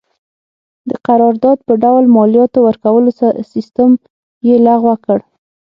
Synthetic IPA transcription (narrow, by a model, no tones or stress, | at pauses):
d̪əqaɾɑɾd̪ɑd̪̚pəɖawlmɑljɑt̪owəɾkawəlosasɪst̪əm | jelaɣwəkəɽ